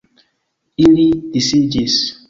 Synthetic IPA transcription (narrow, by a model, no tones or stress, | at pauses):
iɾidisid͡ʒis